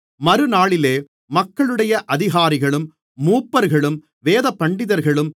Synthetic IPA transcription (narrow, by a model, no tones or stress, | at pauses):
mɐɾɯnaːɭɪleː | mɐkːɐɭɯɽɐjɐʔɐðɪɣaːɾɪɣɐɭɯmː | uːpːɐɾɣɐɭɯm | ʋeːðɐpːɐɳɖɪðɐɾɣɐɭɯm